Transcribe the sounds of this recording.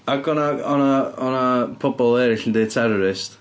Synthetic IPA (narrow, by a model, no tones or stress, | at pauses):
akʰɔnaɔnaɔnapʰɔbɔlˠɛɾɪɬndetʰɛɾɔɾɪst